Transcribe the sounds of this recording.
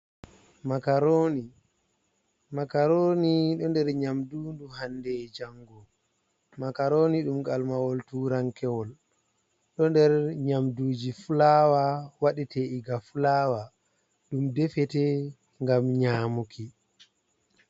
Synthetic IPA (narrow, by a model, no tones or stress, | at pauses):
makaɾoni | makaɾoniɗɔndɛɾɲamdundumhandɛd͡ʒaŋɡɔ | makaɾoniɗumɡalmawɔltuːɾaŋkɛwɔl | ɗɔndɛɾɲamduːd͡ʒifulaːwawaɗitɛiɡafulaːwa | ɗumdɛfɛtɛ | ŋɡamɲaːmuki